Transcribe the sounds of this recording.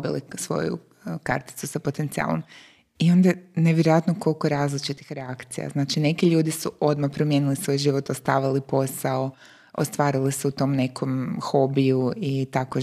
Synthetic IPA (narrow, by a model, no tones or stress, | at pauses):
bilḭsʋo̞̰jṵ | ka̰ɾt̪i̥t̪susapo̞t̪ent̪sia̰lˠo̞̰m | io̞nd̪aneʋjeɾojat̪noko̞lˠkoeɾaːzlit͡ʃit̪i̥xɾeakt̪sḭja̰znaːt͡ʃine̞kiʎuːd̪isuʔo̞d̪mapɾomje̞nilisʋo̞jʒiʋot̪ost̪aːʋalipo̞sao | o̰st̪ʋaːɾiliseut̪o̞mne̞kʰo̞mxo̞bijuit̪ako